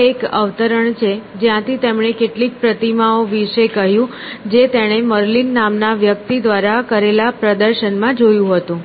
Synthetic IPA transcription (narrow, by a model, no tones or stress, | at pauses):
ekə̰ʋt̪əɾəɳt͡ʃʰed͡ʒjãt̪ʰit̪emɳ̃ekeʈlik̚pɾət̪imaoʋiʃekəɦjũ | d͡ʒet̪eɽ̃eməɾlinːamnaʋjək̚t̪id̪ʋaɾakəɾelapɾəd̪əɾʃənmãd͡ʒojũɦət̪ũ